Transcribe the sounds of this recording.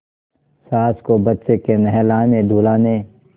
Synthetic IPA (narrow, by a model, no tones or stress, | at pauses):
saːskobɐt̪t͡ʃekenəɦɛlãːmẽd̪ʱuːlaːne